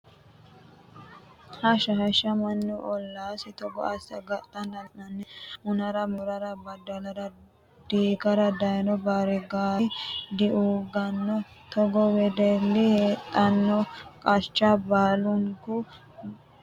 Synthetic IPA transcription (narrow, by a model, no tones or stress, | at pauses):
hɐʃɐhɐʃɐmɐnːʊʔɔlːaːsɪt̪ɔɡɔ̰ʔɐsɐɡɐt̪ʼːɐnd̪ɐnʔɐnːɪmʊnɐɾɐmʊɾɐɾɐbɐd̪ɐlɐɾɐ | d̪̥iːɡɐɾɐd̪ɐjnɔbaːɾɛɡaːd̪ɪʔuɡɐnːɔ | t̪ɔɡɔwɛd̪ɛlːɪheːt̪ʼːɐnːɔkʼɐt͡ʃʼːɐbaːlʊŋkʊ